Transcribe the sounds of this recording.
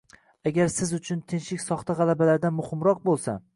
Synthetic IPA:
aɡʲaɾsɪzʊt͡ʃʰʊnt̪ʰɪnʃɪkʲsɒχt̪ʰaʁɑlabalaɾd̪amʊhɪmɾɒq̚bolˠsa̰

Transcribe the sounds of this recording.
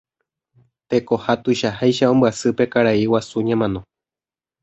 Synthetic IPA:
t̪e̞ko̞hat̪uʃahajʃaõ̞mbɨasɨpe̞kaɾaiwasuɲãmãnõ

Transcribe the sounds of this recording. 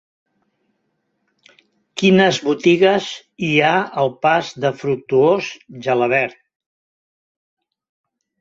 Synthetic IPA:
kinəzβut̪iɣəz | iaəlˠpazd̪əfɾuk̚t̪uozʒələβɛɾt̪̚

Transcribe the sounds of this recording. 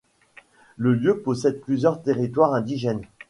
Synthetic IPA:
ləljøpɔsɛd̪̚plyzjœʁt̪eʁit̪waʁɛ̃d̪iʒɛn

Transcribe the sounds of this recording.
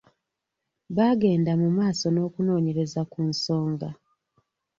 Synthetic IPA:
βaɡe̞ːndamumaːso̞no̞ːkuno̞ːɲe̞ɾe̞zakunso̞ːŋɡa

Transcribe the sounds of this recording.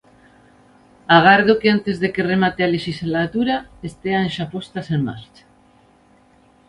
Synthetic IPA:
aɣaɾðokeant̪ezðekeremat̪ealeʃizlat̪uɾaest̪eaenʃapost̪aseŋma̰ɾt͡ʃḁ

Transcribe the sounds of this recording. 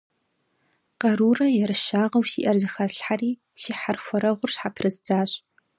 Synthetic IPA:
qɐɾuːrɐjɛɾɨʃaːʁɐwsḭːʔɐrzɨxaɬħariː | siːħarxʷɔɾɐʁʷʊrɕħapʰrɨzd͡zaːɕ

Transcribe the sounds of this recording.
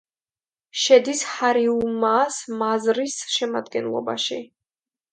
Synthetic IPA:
ʃɛd̪ishaɾiumasmazɾisʃɛmad̪ɡɛnlˠɔ̰ba̰ʃi

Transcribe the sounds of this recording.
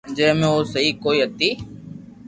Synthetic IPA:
d͡ʒəɦmẽoːsəɦikoːiːɦət̪iː

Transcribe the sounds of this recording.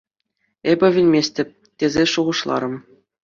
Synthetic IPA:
ebʲɘ̆ʋʲĭlʲmʲesʲtʲɘ̆p̚ʲ | tʲezʲeʂuʁɤ̆ʂlˠɑ̰ɾɤ̆m

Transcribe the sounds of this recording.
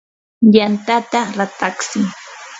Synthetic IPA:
jant̪at̪aɾat̪aksɪ

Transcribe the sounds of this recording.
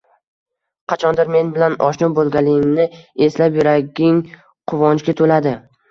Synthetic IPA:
qʰɑt͡ʃʰɒnd̪ɪɾme̞nbɪlanɒʃnʊbolˠɡʲalɪmnɪe̞slapjʊɾaɡʲɪŋ | qʰʊvɒnt͡ʃkʲat̪ʰolad̪ɪ

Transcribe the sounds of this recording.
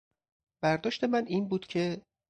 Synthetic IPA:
b̥æɾd̪ɒːʃt̪e̞mæniːnbuːd̪̥cʰe̞

